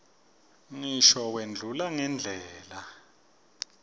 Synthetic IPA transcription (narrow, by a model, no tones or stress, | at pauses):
ŋiʃɔwend͡ɮʱulaŋɛnd͡ɮʱɛːla